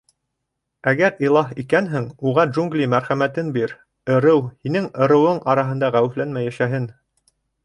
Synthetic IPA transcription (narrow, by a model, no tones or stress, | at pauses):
æɡæɾilˠɑɦikænɦɘŋuʁɑʒuŋɡlʲimæɾχæmæt̪ɘnbiɾ | ɤ̆ɾɤwhinɘŋɤ̆ɾɤ̆wɤɴʔɑɾɑɦɤ̆nd̪ɑʁæwɘ̆flænmæjæʃæɦɘn